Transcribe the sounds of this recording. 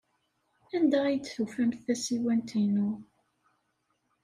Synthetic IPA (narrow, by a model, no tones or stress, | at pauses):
ænd̪æjət͡sːθufæmθæsiwænt̪inu